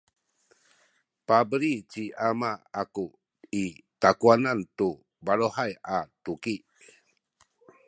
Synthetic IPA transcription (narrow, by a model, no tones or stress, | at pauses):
pabəɾit͡ɕiʔamaːku | itakuanantu | baɾohajatukiʔ